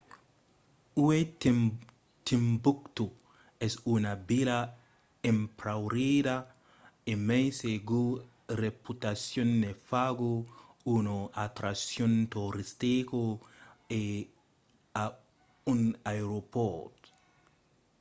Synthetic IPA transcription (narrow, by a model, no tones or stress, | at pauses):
uwe | t̪imbukt̪u | esunabila | empɾawɾida | emejseɡu | ɾeput̪asjonːefaɡuunoʔat̪ɾasjont̪oɾist̪iko | e | a | unajɾopot̪